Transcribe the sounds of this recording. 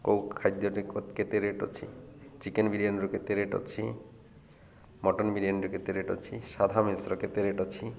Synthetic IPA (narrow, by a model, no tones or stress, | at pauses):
kowkʰːajd̪ːɔɾikot̪ket̪eɾeʈo̰t͡ʃʰḭt͡ʃikenbʱiɾianɾuket̪eɾeʈo̰t͡ʃʰi | mɔʈɔnbʱiɾijanɾuket̪eɾeʈo̰t͡ʃʰiʃad̪ʱamesɾɔket̪eɾeʈot͡ʃʰi